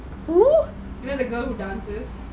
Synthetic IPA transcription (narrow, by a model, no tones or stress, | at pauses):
hu | junoðəɡɜlˠhudãnsɪz̥